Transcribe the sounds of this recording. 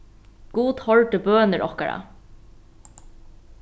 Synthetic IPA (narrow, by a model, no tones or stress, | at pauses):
ɡ̥uːt̪hɔɹʈəbøːnəɹʔɔhka̰ɹa̰